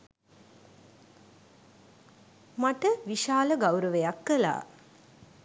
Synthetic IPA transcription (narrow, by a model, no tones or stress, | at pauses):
maʈəʋiʃaːləɡawɾəʋejakːəla̰ː